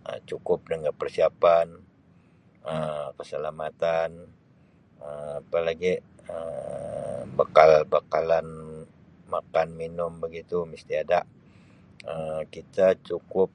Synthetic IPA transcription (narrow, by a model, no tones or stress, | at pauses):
ə̰t͡ʃukʊp̚dəŋəpərsiapan | əkəsəlamat̪an | əapalaɡi | ə | bakalbakalan | makanminʊmbəɡit̪uməst̪iadaʔ | əmkit̪at͡ʃukʊp̚